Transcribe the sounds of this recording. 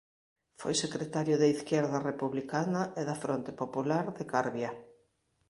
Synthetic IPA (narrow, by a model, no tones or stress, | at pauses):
fojsekɾet̪aɾjʊðɐiθkjɛɾðɐrepuβlikanɐɪðɐfɾont̪ɪ̥populaɾðekaɾβjɐ